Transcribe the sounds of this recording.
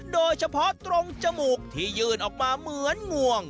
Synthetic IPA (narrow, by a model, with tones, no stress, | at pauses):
doː˧jt͡ɕʰa˧pʰɔ˦˥t̪ɾo˧ŋt͡ɕa˧muː˨˩k̚t̪ʰiː˥˩jɯː˧˩nʔɔː˨˩k̚maː˧mɯ˨˦ənŋu˨˩əŋ